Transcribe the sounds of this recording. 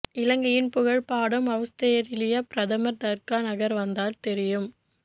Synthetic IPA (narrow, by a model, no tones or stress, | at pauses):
ɪlɐŋɡɐjɪnpʊɣɐɭpaːɽɯmɐʋɐst̪ɐjɐɾɪlɪjɐpɪɾɐðɐmɐɾd̪ɐɾkaːnɐɣɐɾʋɐnd̪aːlt̪ɛɾɪjɯm